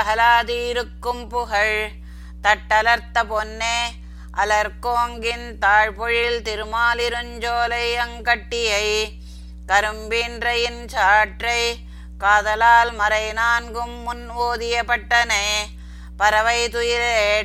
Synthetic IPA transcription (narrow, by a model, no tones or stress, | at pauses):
ɐɦɐlaːt̪iːɾɯkːɯmpʊɣɐɻ | t̪ɐʈːɐlɐɾt̪ːɐpɔnːeː | ʔɐlɐɾkoːŋɡɪnt̪aːɻpɔɻɪlt̪ɪɾɯmaːlɪɾɯɲd͡ʒoːlɐɪɐŋkɐʈːɪjɐɪ | kɐɾɯmbiːndrɐjɪnt͡ʃaːʈrɐɪ | kaːðɐlaːlmɐɾɐɪnaːŋɡɯmːʊnʋoːðɪjɐpɐʈːɐneː | pɐɾɐʋɐɪt̪ɯjɪleː